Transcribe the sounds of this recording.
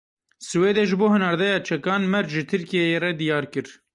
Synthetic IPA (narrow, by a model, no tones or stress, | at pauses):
sɨweːd̪ɛʒɨboːhɨnɑːɾd̪ɛjɑːt͡ʃʰɛkɑːnmɛɾʒɨt̪ʰɨɾkijejerɛd̪ijɑːɾkɨɾ